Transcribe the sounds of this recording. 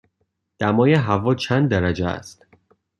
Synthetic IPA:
d̪̥æmɒːjeɦævɒːt͡ʃʰænd̪ːæɾæd͡ʒeæ̰st̪

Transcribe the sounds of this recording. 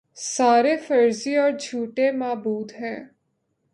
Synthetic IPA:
saːɾeːfʰəɾziɔːɾd͡ʒʱuːʈemaːbuːd̪ɦɛ̃ː

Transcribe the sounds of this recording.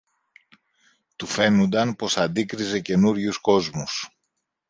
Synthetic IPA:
t̪ufe̞nund̪ɐnpo̞sɐnd̪ikɾize̞ce̞nuɾʝusko̞zmus

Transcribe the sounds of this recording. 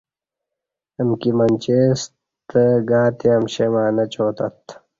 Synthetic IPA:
ɐmkimɐnʲt͡ɕeːs | t̪əɡaːt̪eɐmɕemaːnɐt͡ɕoːt̪ɐt̪

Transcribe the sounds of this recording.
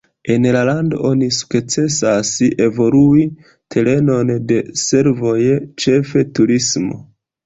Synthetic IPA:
e̞nlalando̞̰ʔo̞nisu̥kt͡se̞sase̞vo̞lui | tʰe̞le̞no̞nde̞se̞ɾvo̞jt͡ʃe̞fe̞tuɾismo̞̰

